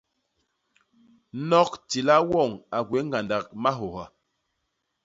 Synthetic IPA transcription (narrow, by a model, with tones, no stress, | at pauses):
nɔ˦k̚ti˨la˦wɔ˦˨ŋa˨ɡwe˨˦ŋɡa˨nda˨k̚ma˦ɦo˨ha˨